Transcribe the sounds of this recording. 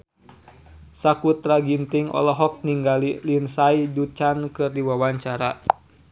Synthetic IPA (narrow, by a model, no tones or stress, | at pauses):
sakut̪ɾaɡint̪iŋɔ̰lɔɦɔk̚niŋɡalilinsaidut͡ʃankɨrdiwawaɲt͡ʃaɾa